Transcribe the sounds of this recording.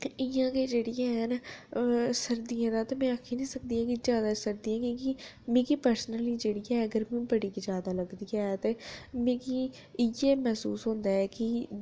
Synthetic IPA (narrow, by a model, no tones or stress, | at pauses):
ɪjãːkeːd͡ʒeːɽijãːɦɛn | səɾd̪iãːd̪aːt̪eːmɛ̃ːəkʰːiːnĩːsək̚d̪iːɦãːkizjaːd̪aːsəɾd̪iãːkõːki | mẽːkipəɾsnəliːd͡ʒeːɽijɛːəɡəɾbĩbəɽiːkid͡ʒjaːd̪aːləɡd̪iːɛːt̪eːmẽːki | jeːmɛːsuːsɦõːnd̪aːɛːkɪ